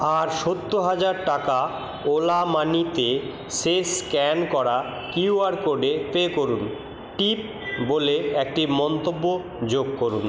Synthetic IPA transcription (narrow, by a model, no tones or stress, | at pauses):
aɾʃot̪ːoɦad͡ʑaɾʈaka | olamanit̪e | seskɛnkɔɾa | kiuaɾkoɖepekoɾun | ʈip̚ | boleek̚ʈimɔnt̪obːo | d͡ʑoɡkoɾun